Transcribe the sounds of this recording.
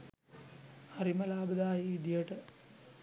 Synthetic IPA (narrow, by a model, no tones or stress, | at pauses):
haɾiməlaːbəd̪aːjiʋid̪ijəʈə